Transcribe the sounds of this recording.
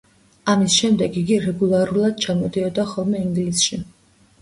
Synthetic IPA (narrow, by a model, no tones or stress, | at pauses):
amisʃɛmd̪ɛɡiɡiɾɛɡulˠaɾulˠad̪̥̚t͡ʃʰamɔd̪iɔd̪aχɔlˠmɛiŋɡlisʃi